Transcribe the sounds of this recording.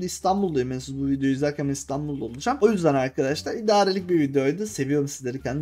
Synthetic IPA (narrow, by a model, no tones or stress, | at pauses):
ist̪ʰanbulˠd̪ajimɛnsuzbuvid̪ejo̞jyzakʰamist̪ʰanbulˠd̪aolˠud͡ʒamo̞jyzd̪ænaɾkʰad̪aʃlˠaɾid̪aːɾelʲic̚bivid̪ejojd̪ɯse̞vijo̞ɾumsizd̪ʲeɾicʰænd̪